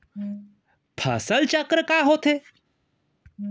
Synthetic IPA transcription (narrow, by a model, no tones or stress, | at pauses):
pʰɐ̰səlt͡ʃəkɾəkaːɦoːt̪ʰeː